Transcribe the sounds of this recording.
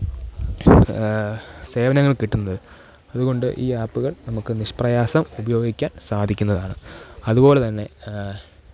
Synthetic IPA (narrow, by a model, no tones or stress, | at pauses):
se̞ːʋɐnɐŋːɐɭkiʈːunːɐðɨ | ɐðuɣo̞ɳɖɨʔiːaːpːuɣɐɭnɐmukːɨniʂprɐjaːsɐmubɐjo̞ːɡikʲːaːnsaːd̪ʱikʲːunːɐðaːɳɨɐðubo̞ːle̞t̪ɐnːe̞